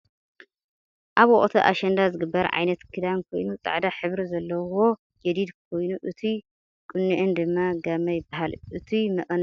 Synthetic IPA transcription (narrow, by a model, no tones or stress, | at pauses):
ʔaβoʔʼt̪ʰɐʔa̰ʃɐnd̪azɨɡɨbːɐɾʕa̰jnɐt̪kʰɨd̪amkʰo̞jnut͡sʼa̰ʕd̪aħɨβɾizɐlːɐwo̞ | d͡ʒɛd̪id̪k̚ʰo̞jnuʔɨt̪ʰi | kʼɨnːɨʔɨnd̪ɨmːaɡamɐjɪbaɦalʔɨt̪ʰimɐʔʼɐn